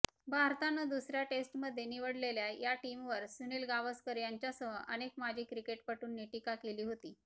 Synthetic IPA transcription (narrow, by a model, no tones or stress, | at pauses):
bʱaɾt̪anːəd̪usɾjaʈesʈməd̪ʱːjeniʋəɽleljajaʈimʋəɾsunilɡaʋəskəɾjaɲt͡ɕjasəɦəʔənekmad͡ʑʱiːkɾikeʈpəʈuːnːeʈikakeliːɦot̪iː